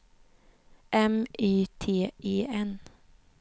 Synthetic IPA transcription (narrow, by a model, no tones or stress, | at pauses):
ʔɛmʔyːt̪ʰeːʔeːɛn